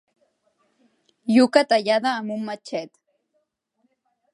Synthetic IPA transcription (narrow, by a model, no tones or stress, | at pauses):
jʊkat̪ajad̪aːmʊmmːat͡ʃajt̪